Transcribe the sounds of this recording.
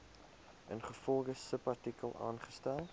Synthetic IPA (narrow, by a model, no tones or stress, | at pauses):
ʔənχəfɔlˠχəssəpɐrtikəlˠɑ̰ːnχə̥stælˠ